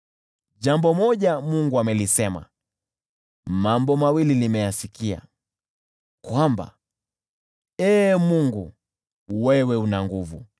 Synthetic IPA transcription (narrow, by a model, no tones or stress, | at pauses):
ʄambɔmɔʄamuŋɡuamɛlisɛma̰ | mambɔmawilinimɛjasikia̰ | kwamba̰ | ɛːmuŋɡu | wɛwɛunaŋɡuvṵ